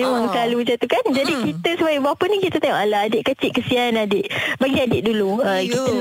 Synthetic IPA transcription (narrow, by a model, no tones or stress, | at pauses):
ewaŋsəlalud͡ʒat̪ukand͡ʒadikit̪əsəbaibapənĩkit̪ət̪eŋɔʔalaadɪʔkət͡ʃɪʔkəsiaanadɪʔbaɡiadɪʔ̚duluəkit̪ə